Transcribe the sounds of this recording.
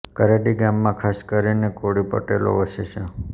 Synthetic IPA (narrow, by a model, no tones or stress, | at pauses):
kəɾeɖiɡamːãkʰaskəɾinekoɽipə̰ʈelo̰ʋəʃet͡ʃʰe